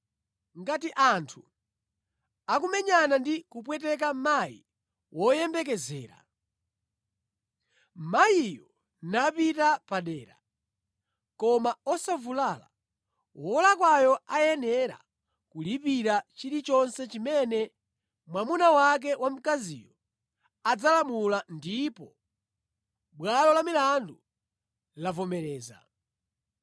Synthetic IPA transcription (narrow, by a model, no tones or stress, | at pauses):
ŋɡatiʔantʰu | akumɛɲanandikupwɛt̬ɛk̬ammajḭ | wʔɔjɛmbɛk̬ɛzɛ̰ːɾa̰ | majijɔ | napitapaɗɛːɾa̰ | kɔmaɔsavulala̰ | wɔlakwajɔajɛnɛɾa̰ | kulipiɾat͡ʃiɾit͡ʃɔnsɛt͡ʃimɛnɛ | mwamunawak̬ɛwam̩kazḭːjɔ | ad͡zalamulandipɔ | ɓwalɔlamilandu | lavɔmɛɾɛːza̰